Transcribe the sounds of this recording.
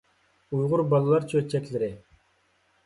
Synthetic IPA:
ujʁʊɾbɑlˠɨlˠɑɾt͡ʃʰøɾt͡ʃʰɛkʲlɪɾɪ

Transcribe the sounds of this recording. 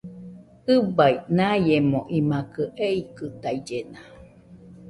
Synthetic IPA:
ɨbainajemõʔimakɯʔeikɨt̪aid͡ʒena

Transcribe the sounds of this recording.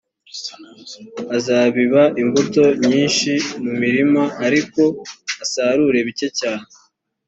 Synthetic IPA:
azaːβiβaʔimbuto̞ɲiːnʃimumiɾimaːɾiko̞asaːɾuɾe̞βit͡ʃe̞caːɲe

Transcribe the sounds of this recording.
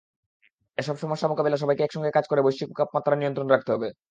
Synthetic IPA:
eʃɔbʃɔmoeʃamokabilaʃ̬ɔbajkeɛkʃɔŋɡekad͡ʑkoɾebojʃikkap̚mat̪ːɾanijont̪ɾonɾak̚t̪eɦɔbe

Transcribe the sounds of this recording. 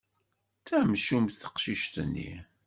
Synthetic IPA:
t͡sæmʃumθə̥qʃiʃt̪nːḭ

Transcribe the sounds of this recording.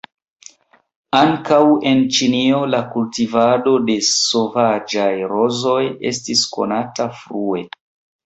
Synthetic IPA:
aŋkawe̞nt͡ʃinio̞lakultivado̞de̞sovad͡ʒajɾo̞zo̞je̞̰stisko̞̰natafɾue̞

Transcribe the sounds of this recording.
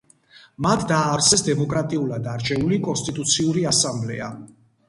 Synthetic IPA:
mat̪ʰd̪aːɾt̪sʰɛsd̪ɛmɔkʼɾat̪ʼiulad̪aɾt͡ʃʰɛulikʼɔnst̪ʼit̪ʼut̪sʰiuɾiasamblɛa

